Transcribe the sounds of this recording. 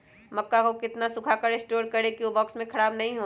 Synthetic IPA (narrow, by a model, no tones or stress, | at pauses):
mɐkːakokɪt̪nasʊkʰakəɾɪsʈoːɾkɐɾekiobɔːksmẽkʰɐɽaːbnɐɦĩɦoː